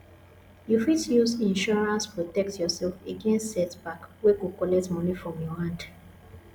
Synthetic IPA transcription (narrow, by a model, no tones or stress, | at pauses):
jufitjusĩnʃɔɹãnspɹotɛk̚tjɔsɛlfeɡẽnstːɛtbakweɡukɔlɛtmɔ̃nifɹɔ̃mjɔhãnd